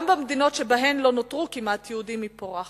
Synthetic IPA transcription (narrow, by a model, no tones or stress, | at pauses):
mbamd̪ino̞tʃebaɦe̞mlo̞notʁukimatjɛudimːipoʁaχ